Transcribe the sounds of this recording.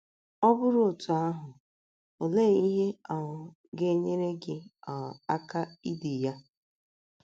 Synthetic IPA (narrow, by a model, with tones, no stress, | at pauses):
ɔ˦bʊ˦ɾʊ˦o˨tʊ˨a˦ɦʊ˨ | o˨le˦˨i˦ɦe˦a˨ɦʊ˨ | ɡe˦ɲe˦ɾe˦ɡɪ˦a˨a˦ka˦i˦di˨ja˦